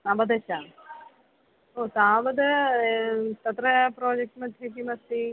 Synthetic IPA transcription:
abɐd̪ɐɕaː | oːt̪aːʋɐd̪ | t̪ɐt̪ɾɐpɾoːd͡ʑek̚ʈmɐd̪ʰʱɐkːimɐst̪i

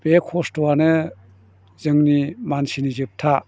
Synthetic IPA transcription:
b̥ekʰɔstoanɯ | zɯŋnimansinizɯp̚tʰa

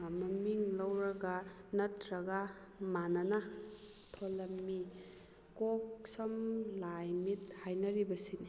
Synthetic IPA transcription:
mɐmiŋlɐwɾɐɡanɐtɾɐɡa | manɐna | tʰolɐmːi | koksɐmlajmit̚hajnɐɾibɐsini

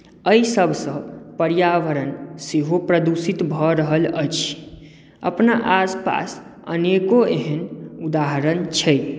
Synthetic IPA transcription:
əisəbʱsə̃pəɾijaʋəɾənseɦopɾəd̪usit̪bʱɔɾəɦələ̰t͡ʃʰ | ə̰pnaʔaspa̰s | ə̰nekoeɦənud̪aɦəɾənt͡ʃʰɛ

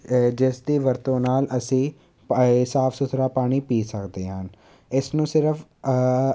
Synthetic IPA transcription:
d͡ʒɪsd̪iːʋəɾt̪õːnaːlʔəsĩː | saːfʰsʊt̪ɾaːpaːɽ̃iːpiːsəkd̪eːɦən | ɪsnũːsɪɾəfʰ

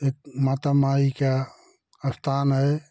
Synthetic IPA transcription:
ek̚maːt̪amaːika | əst̪ʰaːnɦɛ

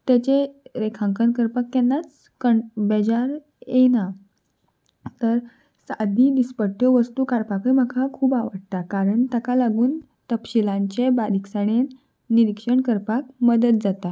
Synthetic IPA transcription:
t̪jat͡ɕeɾekʰãŋkənkəɾpakːɛnːat͡s | kəɳbed͡ʑaɾ | jena | t̪əɾ | sad̪ʱid̪ispəɽʈjɔʋəst̪uːkaɽpakəjməkʰakʰuːbaʋəɽt̪akaɾəɳt̪akalaɡuːn | t̪əpɕilãɲt͡ɕebaɾiksaɽ̃e | niɾikʂəɳkəɾpakməd̪ət̪̚d͡zat̪a

